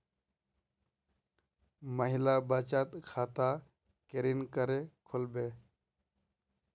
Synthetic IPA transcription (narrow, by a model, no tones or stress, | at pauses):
məɦɪlaːbat͡ʃaːt̪kʰaːt̪aː | keɾinkəɾekʰʊlbeː